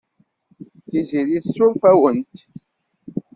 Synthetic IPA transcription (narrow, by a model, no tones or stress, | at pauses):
tizilisufəwunti̥